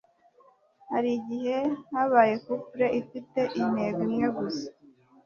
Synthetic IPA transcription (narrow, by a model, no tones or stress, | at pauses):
haɾiɟihe̞haβaːje̞kupuɾeʔifite̞ʔimeɡimjeɡusḁ